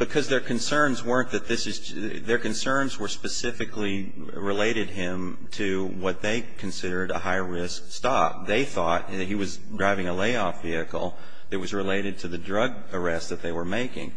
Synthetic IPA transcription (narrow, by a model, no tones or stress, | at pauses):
b̥ɨkʰʌzðə˞kʰɨ̃nsɜ̃˞nzwɜ˞nðɨt̪̚ðɪsɨz | ðə˞kɨ̃nsɜ̃˞nzwə˞spɨsɪfɨkli | ɹɨleɪɾɨd̚ɪ̃m | tʰɨ | wʌt̪̚ðeɪkʰɨ̃n̩sɪɾə˞ɾə̰ɦaɪɹɪskstɑp̚ðeɪθɔt̚ɨɦiwʌz | dɹaɪvɪ̃ŋəleɪɔfviɨkl̩ˠ | ɨt̚wʌzɹɨleɪɾɨd̚tʰɨðɨdɹʌɡ | ə˞ɛst̪̚ðɨt̪̚ðeɪwə˞meɪkɪ̰̃ŋ